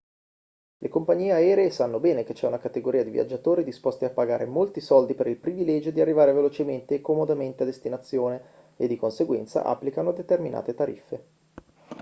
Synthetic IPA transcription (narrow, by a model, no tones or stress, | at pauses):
lʔekompaɲːiːeaɛːɾeesanːobɛːneket͡ʃːɛunakat̪eɡoɾʔiːad̪ivia̰d͡ʒːat̪oːɾid̪ispost̪iapːaɡa̰ːɾḛmolt̪isɔld̪ipeɾilpɾivilɛd͡ʒod̪iarːivaːɾevelot͡ʃement̪eːkːomod̪ament̪ead̪est̪inat̪sːjoːne | ed̪ːikonseɡwɛ̰nt̪sa̰ʔa̰pːlikanod̪et̪ermina̰ːt̪et̪aɾḭfːe